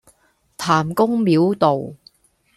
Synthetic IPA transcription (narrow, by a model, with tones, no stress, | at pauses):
t̪ʰaː˨˩mkʊ˥ŋmiː˨˥wt̪o˨w